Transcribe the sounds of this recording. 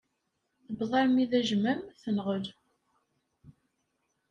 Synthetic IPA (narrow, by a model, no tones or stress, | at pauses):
θəbðˤɑɾmiðæʒmæmθənʁəl